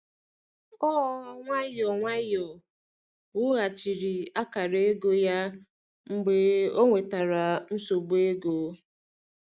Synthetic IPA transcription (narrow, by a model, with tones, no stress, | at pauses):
kɔ˦ŋʷa˦jɔ˨ŋʷa˦jɔ˨ | wʊ˦ɣa˨t͡ʃi˨ɾi˨a˦ka˨ɾe˦e˦ɡo˦ja˦ | ŋ͡m̩˦ɡ͡be˦o˦ŋʷe˨ta˨ɾa˨n̩˦so˨ɡ͡be˦ɡo˨˦